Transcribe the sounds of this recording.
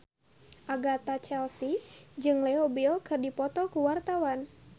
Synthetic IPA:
ʔaɡat̪at͡ʃɛlsid͡ʒɨŋlɛobilkɨrdipɔt̪ɔkuwart̪awan

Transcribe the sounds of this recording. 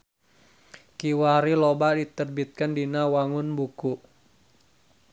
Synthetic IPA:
kiwaɾilobadit̪ərbit̪̚kandinawaŋʊnbukuʔ

